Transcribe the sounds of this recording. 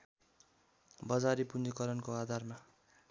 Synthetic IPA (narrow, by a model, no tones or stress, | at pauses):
bʌd͡zaɾipund͡zikʌɾʌnkoad̪ʱarma